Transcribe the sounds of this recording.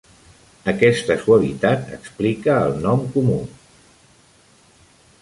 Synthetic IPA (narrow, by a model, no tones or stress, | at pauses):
əkɛst̪əsuəβit̪at̪ə̰ksplikəːlˠnɔmkumu